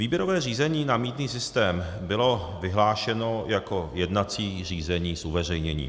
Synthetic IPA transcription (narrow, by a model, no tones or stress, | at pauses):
viːbjɛɾo̞vɛːriːzɛɲiːnamiːt̪niːsɪst̪ɛːm | bɪlo̞ | vɪɦlaːʃɛnojako̞jɛdnat͡siːr̝iːzɛɲiːsʔuvɛr̝ɛjɲɛɲḭː